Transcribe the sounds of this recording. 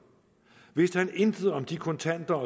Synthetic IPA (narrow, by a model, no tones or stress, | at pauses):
ʋe̝sd̥hæne̝nd̥əð̩ˠɒ̽md̥ikʰɔ̽nt͡sʰæn̰d̥ɐɒ